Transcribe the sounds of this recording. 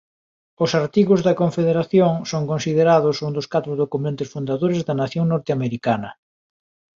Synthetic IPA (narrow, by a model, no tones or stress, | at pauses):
ʊsaɾt̪iɣʊzðɐkoɱfeðeɾaθjoŋsoŋkõnsiðeɾað̞ʊsund̪ʊskat̪ɾʊðokumẽnt̪ɪsfund̪aðoɾezðɐnaθjoŋnɔɾt̪eameɾikanɐ